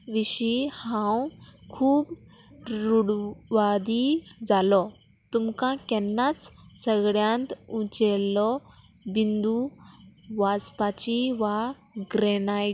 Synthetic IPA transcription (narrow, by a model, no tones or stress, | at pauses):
ʋiɕihãwkʰuːb | ɾuɽʋad̪id͡zalɔ | t̪umkãkɛnːat͡ssəɡɽjãnt̪ũt͡ɕɛlːɔ | bind̪u | ʋaspat͡ɕiʋa | ɡɾɛna